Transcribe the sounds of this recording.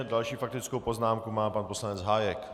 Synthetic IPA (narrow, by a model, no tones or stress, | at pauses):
ɛdalʃiːfak̚t̪ɪt͡skowpo̞znaːmkumaːpanposlaɲɛt͡sɦaːjɛk